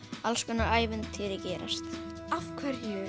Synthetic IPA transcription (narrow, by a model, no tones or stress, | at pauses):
alskʏnaʔaːjvɪnt̪ʰɪːðɪcɛːɾa̰st̪afkʰvɛɾjʏː